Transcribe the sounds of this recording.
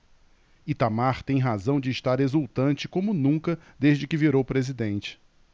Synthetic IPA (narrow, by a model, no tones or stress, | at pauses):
it̪amaɾt̪ẽj̃ɦazɐ̃w̃d͡ʒɪːʃt̪aɾezuwt̪ɐ̃nt͡ʃɪkõmʊnũkɐd̪eʒd͡ʒɪkɪviɾowpɾezid̪ẽnt͡ʃɪ̥